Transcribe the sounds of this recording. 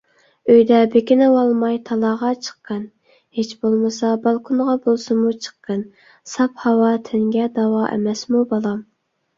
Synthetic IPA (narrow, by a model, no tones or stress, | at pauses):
øjd̪ɛbekʲinɪwɑlˠmɑjt̪ʰɑlˠɑʁɑt͡ʃʰə̥qːən | het͡ʃbolˠmɨsɑbɑlˠkʰunʁɑbolˠsɨmut͡ʃʰə̥qːən | sɑphɑwɑt̪ʰeŋɡʲɛd̪ɑwɑʔḛmɛsmubɑlˠɑm